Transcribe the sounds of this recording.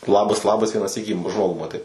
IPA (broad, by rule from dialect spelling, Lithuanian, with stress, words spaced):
ˈlˠɑːbɐs ˈlˠɑːbɐs ʋʲiɛnɑː ˈsʲiːkʲiː ˈʒmoːɡuː mɐˈtɐɪ